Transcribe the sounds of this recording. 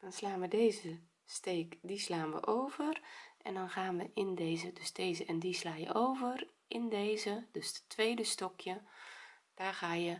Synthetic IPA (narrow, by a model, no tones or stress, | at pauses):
d̥ɔnslaːnʋədeːzə | steːkdislaːnʋə̰ʔoːvərʔɛ̰ndɔnɣaːnʋəʔɪndeːzədøsd̥eːzəɛndislaːjə̰oːvər | ɪndeːzəd̥østʰʋeːdəstɔkʰjə | d̥aːrɣaːjə